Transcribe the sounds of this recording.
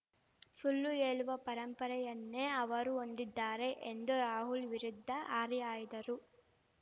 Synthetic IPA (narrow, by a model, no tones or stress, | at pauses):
fuɭːueːɭuʋɐpɐɾɐmpɐɾɐjɐnːeːɐʋɐɾuond̪id̪ːaːɾe̞ʔend̪uɾaːɦulʋiɾid̪ʱːɐʔaːɾiaːjid̪ɐɾu